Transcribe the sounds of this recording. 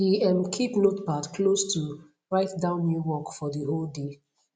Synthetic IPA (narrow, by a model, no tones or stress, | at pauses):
iɛ̃mkʰipnotpadkʰlostu | ɹaɪtdãʊ̃nːjuwɔkfɔdəɦolde